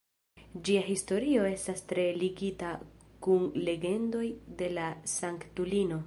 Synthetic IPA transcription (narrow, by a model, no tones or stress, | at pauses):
d͡ʒiaɦisto̞ɾio̞e̞stastɾe̞liɡita | kunle̞ɡe̞ndo̞jde̞lasaŋktulino̞